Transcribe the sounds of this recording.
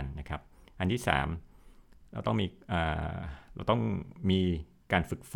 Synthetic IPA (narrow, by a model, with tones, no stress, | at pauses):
nːa˦˥kʰɾa˦˥p̚ʔa˧nt̪ʰiː˥˩sa̰ː˩˦m | ɾa̰˧wt̪ɔ˥˩ŋmiː˧ʔaː˨˩ɾa̰˧wt̪ɔ˥˩ŋmiː˧ | kaː˧nfɯ˨˩k̚f